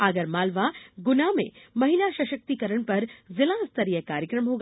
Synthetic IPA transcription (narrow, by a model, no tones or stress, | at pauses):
aːɡəɾmaːlʋaɡʊnamḛ̃mɐɦilaʃɐʃək̚t̪ikɐɾəɳ̃pɐɾzɪlãːst̪əɾijəkaːɾjəkɾəmɦoːɡ